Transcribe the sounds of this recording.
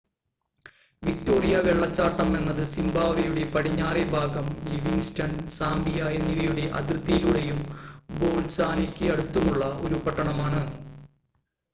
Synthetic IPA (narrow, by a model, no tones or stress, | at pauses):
ʋik̚to̞ːrijɐʋeɭːɐt͡ɕːaːʈːɐme̞nːɐðɨsimbaːʋijuɽe̞pɐɽiɲːaːrebʱaːɡɐmliʋiŋstɐnsaːmbijajenːiðijuɽe̞ʔɐ̰d̪irt̪ːijiluɽejumbo̞ːlsaːnikʲːɨɐɽut̪ːumuɭːɐʔo̞̰ɾupɐʈːɐɳɐmaːɳɨ